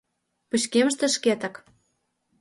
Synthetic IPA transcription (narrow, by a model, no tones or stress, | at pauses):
put͡ɕkeməʃt̪ĕʃket̪ə̆k